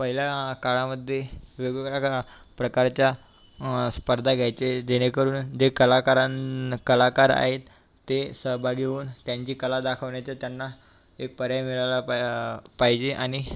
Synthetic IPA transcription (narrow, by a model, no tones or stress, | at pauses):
pəɦiljakaɭaməd̪ʱːjeʋeɡɡaka | pɾəkaɾt͡ɕja | spəɾd̪ʱaɡʱjajt͡sed̪eɽ̃ekəɾuːnd͡ʑekəlakaɾakəlakaɾa̰ɦet̪ː | esəɦbʱaɡʱeuːnt̪jaɲt͡ɕiːkəlad̪akʰəʋɳjat͡sat̪janːa | ek̚pəɾjamiɭala | pajd͡ʑeʔaɽ̃i